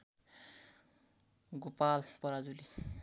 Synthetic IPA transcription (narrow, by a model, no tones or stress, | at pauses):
ɡopalpʌɾad͡zuli